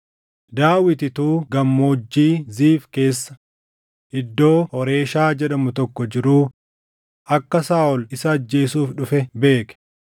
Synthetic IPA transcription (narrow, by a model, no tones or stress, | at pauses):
d̪aːwɪt̪ɪt̪uːɡɐmːoːd͡ʒːiːziːfke̞ːsːɐ̥ | ʔɪd̪ːo̞ːhɔɾe̞ːʃaːd͡ʒɛᶑɐmʊt̪ɔkːɔd͡ʒɪɾuː | ʔɐkːɐsaːʔɔlɪsɐːd͡ʒːe̞ːsuːfᶑʊfɛbe̞ːkɛ̥